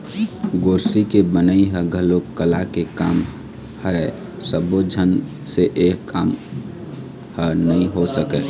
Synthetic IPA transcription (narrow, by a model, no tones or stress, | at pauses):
ɡoːɾsikebənəiɦəɡʱəlokːəlakekaːm | həɾɛ | səbod͡ʒʱən | seʔeːkːaːm | hənəĩɦosəkɛ